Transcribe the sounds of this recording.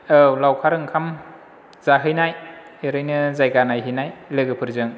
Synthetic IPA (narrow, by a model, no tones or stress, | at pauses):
ɯwlawkʰaɾɯŋkʰam | z̥aɦɯjnaj | eɾɯjnɯzajɡanajɦɯjnajlɯɡɯpʰɯɾzɯŋ